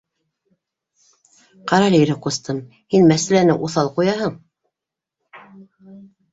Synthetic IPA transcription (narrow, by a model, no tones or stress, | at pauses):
qɑɾɑlʲijɾɘqust̪ɤm | hinmæsælænɘʔuθɑlˠqujɑɦɤɴ